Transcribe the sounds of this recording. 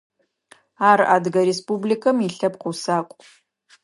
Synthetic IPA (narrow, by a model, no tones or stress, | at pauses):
aːra̰ːdɡɐɾespublikʰɐmiɬɐpqʊwsaːkʷʼ